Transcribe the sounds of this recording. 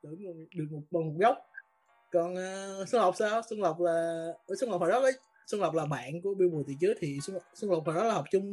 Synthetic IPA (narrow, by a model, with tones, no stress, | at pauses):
t̪ɨ̰˧˩m˨˩ɗɨ˨˩ək̚mo˨˩k͡p̚ɓa˨˩mʊ˨˩k͡p̚ɣə˦˥wk͡p̚ | kɔ˨˩nʔaː˨˩sə˧ŋ͡mhə˨˩wk͡p̚saː˧wsə˧ŋlə˨˩wk͡p̚laː˨˩əː˧˦sŋ͡mhə˨˩k͡p̚faː˨˩ɗɔ˨˦vəː˨˦j | sə˧ŋ͡mlə˨˩wk͡p̚laː˨˩ɓa̰ː˧˨nku˧˩əɓi˧ɓət̪ḭ˧˨t͡ɕəː˨˦jt̪ʰi˨˩sə˧˨˩sə˧ŋ͡mhə˨˩faː˨˩ɗɔ˨˦laː˨˩hə˨˩k͡p̚t͡ɕʊ˧ŋ͡m